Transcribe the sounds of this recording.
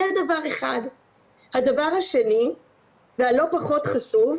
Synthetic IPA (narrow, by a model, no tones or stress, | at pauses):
ad̪avaʁeχad | had̪avaʁhaʃe̞ni | vealo̞paχo̞t̪χaʃuv